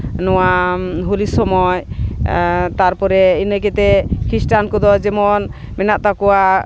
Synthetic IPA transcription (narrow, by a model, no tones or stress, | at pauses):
nɔwaɦulisɔmɔj | t̪aɾpɔɾɛinəkɛt̪ɛkʰɾisʈankɔd̪ɔd͡ʒɛmɔn | mɛnaʔt̪akɔwa